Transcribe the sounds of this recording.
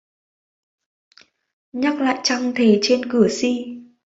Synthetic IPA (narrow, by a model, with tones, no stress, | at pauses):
ɲa˦˥k̚la̰ː˧˨jt͡ɕa˧ŋt̪ʰe˨˩t͡ɕe˧nkɨ˧˩əsi˧